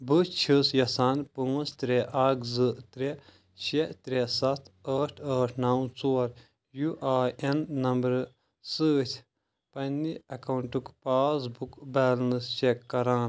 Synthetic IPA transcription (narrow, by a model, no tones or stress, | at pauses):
bɨt͡ʃʰɨsjɐsaːnpuŋust̪ɾeʔaːkʰzɨʔt̪ɾe | ʃeʔt̪ɾesɐt̪ʰɐːʈʰəːʈʰnawt͡soːɾ | juʔaːenːɐmbɐɾ | sɨːt̪ʲʰ | pɐnːiɐkɐwɳʈukpaːs̬bukbaːlnɨst͡ʃekːɐɾaːn